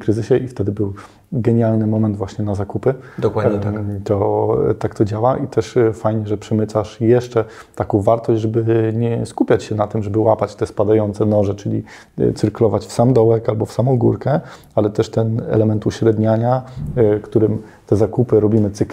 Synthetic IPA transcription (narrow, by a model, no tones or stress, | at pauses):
kɾɘzɘɕɛʔift̪ɛd̪ɘbɘw | ɡɛɲalnɘmɔmɛnd̪vwaɕɲɛnazakupɘd̪ɔwadɲɛat̪ɔt̪akt̪ɔd͡ʑawaʔit̪ʰɛʂfajɲɛʐɛpʂɛmɘt̪saʂjɛʂt͡ʂɛ | t̪akɔ̃w̃vaɾt̪ɔʑd͡ʑʲʐɛbɘɲɛskupʲjat͡ɕɕɛnat̪ɘmʐɛbɘwapat͡ɕt̪ɛspad̪ajɔnt̪sɛnɔʐɛt͡ʂɘlʲḭ | t̪ɘɾkulɔvat͡ɕfsamd̪ɔwɛkalbɔfsamɔ̃w̃ɡuɾkɛ | alɛt̪ɛʂt̪ɛnɛ̰lɛmɛnt̪uɕɾɛd̪ɲaɲakt̪uɾɘm | t̪ɛzakupɘɾɔbʲimɘt̪sɘk